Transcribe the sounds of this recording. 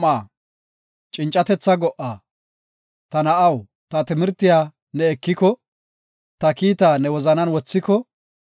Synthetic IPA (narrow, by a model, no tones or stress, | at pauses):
aː | t͡ʃʼɪnt͡ʃʼːɐt̪ɛt͡sːɐɡɔʔaː | t̪ɐnɐʔɐw | t̪ɐt̪ɪmɪɾt̪ːɪjaː | nɛːkːɪkɔ | t̪ɐkiːt̪aːnɛwɔzɐnɐnwɔt͡sːɪkɔ